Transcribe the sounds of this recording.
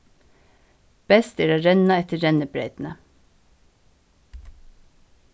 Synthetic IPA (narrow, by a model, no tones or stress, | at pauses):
b̥ɛst̪æːɾoːɾɛnɑɛt̪əɾɛnəbɾeɪt̪n̩ə